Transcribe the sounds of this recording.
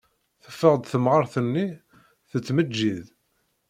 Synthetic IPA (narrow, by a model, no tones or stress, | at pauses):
θə̥fːəʁd̪θəmʁəɾˤθənːi | θət͡sːməd͡ʒːið